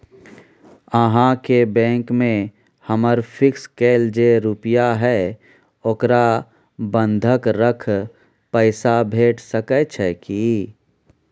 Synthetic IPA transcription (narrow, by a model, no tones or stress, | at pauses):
əɦãkebɛ̃ːŋkmẽ | həməɾfʰɪkskeːld͡ʒeɾʊpjaɦɛ | okɾa | bə̃nd̪ʱəkɾəkʰ | pəɪsabʱeːʈʰsəkət͡ʃʰɛki